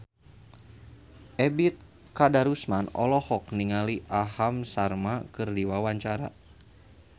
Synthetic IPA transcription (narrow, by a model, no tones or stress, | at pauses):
ʔɛbit̪̚ | kadaɾusmanɔ̰lɔhɔk̚niŋaliʔaɦamsarmakɨrdiwawaɲt͡ʃaɾa̰